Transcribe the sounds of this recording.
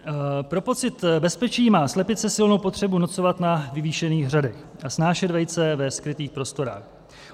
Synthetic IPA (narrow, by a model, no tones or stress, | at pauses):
pɾo̞po̞t͡sɪt̪bɛspɛt͡ʃiːmaːslɛpɪt̪t͡sɛsɪlno̞wpo̞t̪r̝̥ɛbunot͡so̞vat̪navɪviːʃɛniːɣr̝adɛxʔasnaːʃɛd̪vɛj̪t͡sɛvɛskɾɪt̪iːxpɾo̞st̪o̞ɾa̰ːx